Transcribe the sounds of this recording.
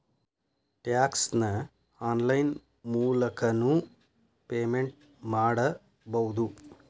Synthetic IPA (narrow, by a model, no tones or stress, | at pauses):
ʈjaːksnɐ | aːnlɐjn | muːlɐkɐnu | peːmeɳʈ̚ | maːɽɐ | bɐwd̪u